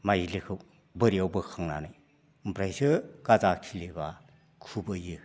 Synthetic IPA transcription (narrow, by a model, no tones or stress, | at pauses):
majilikʰɯw | bɯɾiawbɯkʰaŋna̰naj | mpɾajsɯkazakʰileba | kʰubɯjɯ